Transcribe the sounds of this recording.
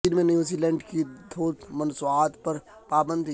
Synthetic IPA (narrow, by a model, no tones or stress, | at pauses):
ɪnmẽnjuzilɛ̃ːɳɖkid̪ʱoːt̪mɐnsuaːt̪pɐɾ | paːbə̃nd̪